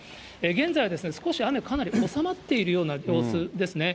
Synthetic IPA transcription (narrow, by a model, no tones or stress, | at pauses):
eɡẽ̞nd͡zajad̪e̞sɨne̞sɨ̥ko̞ɕiame̞kanaɾʲio̞samat̪ːe̞iɾɯ̟jo̞ːnajo̞ːsɨd̪e̞sɨne̞